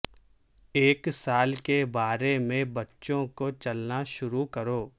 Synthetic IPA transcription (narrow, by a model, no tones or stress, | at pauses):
eːksaːlkebaːɾemẽbɐtːʃõkot͡ʃɐlnaʃʊɾukɐɾoː